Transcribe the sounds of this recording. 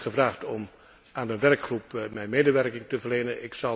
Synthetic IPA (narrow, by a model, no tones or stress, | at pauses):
χəvraːχtɔm | aːndəʋɛrkχrupmɛjnmeːdəʋɛrkɪŋtəvərlejnənʔɪksɑ